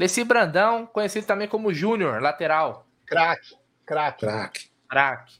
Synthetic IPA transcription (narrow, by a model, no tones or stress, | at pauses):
lesibɾɐ̃nd̪ɐ̃w̃kõɲesid̪ʊt̪ɐ̃mẽj̃kõmʊʒũnioɾlat̪eɾaw | kɾak | kɾakak | kɾakɪ̥